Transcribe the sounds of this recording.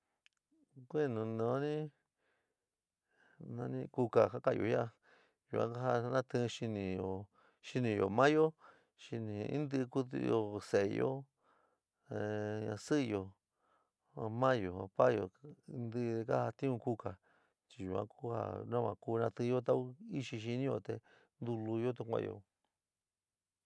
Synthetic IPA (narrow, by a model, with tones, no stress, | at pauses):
kʷe˦˨nũ˨nã˨˦nĩ˦ | nã˧nĩ˦˧ku˧ka˨ka˦ka˧˨jo̰˧˨ja˦˧ | ju˨ã̰˧˦ka˦ɦa˧nã˦t̪ɨ̃˦˧ʃi˧nĩ˧jo˨ | ʃi˧nĩ˧˨jo̰˨mã˦jo˦ | ʃi˧nĩ˨˧ḭ̃˦nd̪ɨ˦˧ku˧t̪ṵ˧jo˧se˨˧jo̰˦˧ | ɲã˧sɨ˦˧jo˨ | a˧mã˦jo˨a˧pa˦jo˨˧nd̪ɨ˦˧ðe˧ka˦ha˧t̪ĩ˦ũ˧ku˧ka˨ | t͡ʃi˧ju˨ã̰˦ku˦ha̰˧nã˦mã˧ku˧nã˧t̪ɨ˧jo˦t̪̬a˦u˦i˦ʃi˧ʃ̬i˧nĩ˦jo˧t̪e˧ | nd̪u˧lu˧jo˦t̪̬u˧kʷã̰˦˧˨jo̰˨